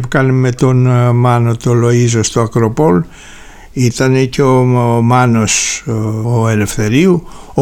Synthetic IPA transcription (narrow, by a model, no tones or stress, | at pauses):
pukɐnemet̪onmɐnot̪olo̞izost̪oɐkɾo̞po̞l | it̪ɐneceomɐno̞s | oele̞fθe̞ɾiuo